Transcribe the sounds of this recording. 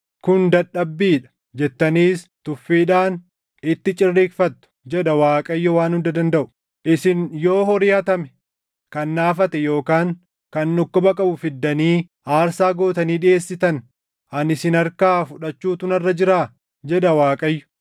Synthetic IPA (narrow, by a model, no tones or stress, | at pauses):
kʊnd̪ɐɗɐbːiːᶑɐ̥ | d͡ʒɛt̪ːɐniːst̪ʊfːiːᶑaːn | ɪt̪ːɪt͡ʃʼɪrːiːkfɐt̪ːʊ̥d͡ʒɛᶑɐwaːkʼɐjːɔwaːnhʊnd̪ɐd̪ɐnd̪ɐʔʊ̥ | ʔɪsɪnjo̞ːɦɔɾɪjɐt̪ɐmɛ̥ | kɐnːaːfɐt̪ɛjo̞ːkaːŋ | kɐnːʊkːɔbɐkʼɐbʊfɪd̪ːɐniː | aːɾsaːɡo̞ːt̪ɐniːᶑɪeːsːɪt̪ɐn | ɐnɪsɪnɐɾkaːfʊᶑɐt͡ʃːuːt̪ʊnɐrːɐd͡ʒɪɾaː | d͡ʒɛᶑɐwaːkʼɐjːʊ̥